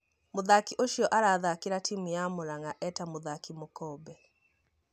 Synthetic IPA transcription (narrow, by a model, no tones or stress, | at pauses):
moðakiʔoʃijɔʔaɾaðakiɾatimijamoɾaŋɡaʔɛtamoðakimokɔːbɛ